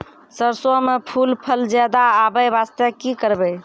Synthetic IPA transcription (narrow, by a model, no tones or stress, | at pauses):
səɾsɔmepʰulpʰəld͡ʒad̪aːbəjbast̪əkikəɾbɛ